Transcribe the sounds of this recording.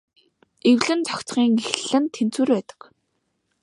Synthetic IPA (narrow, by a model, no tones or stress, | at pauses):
ewɮɘ̆nt͡sʰɔkt͡sχiːŋexɮɘ̆nt̪ʰen̥t͡suːrpæːt̪ə̥̆k